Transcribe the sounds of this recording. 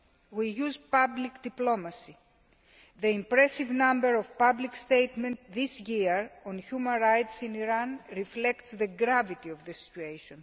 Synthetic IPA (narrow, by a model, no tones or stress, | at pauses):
wijuzpablikd̪iplo̞mɐsi | ðeĩmpɾesivnãmbeɾovpablikst̪ejt̪mẽnt̪ðisjiɹõnçumɐ̃nɾajt̪sĩniɾanɾiflekt̪sðeɡɾavit̪iovðesi̥t͡ʃuejʃõn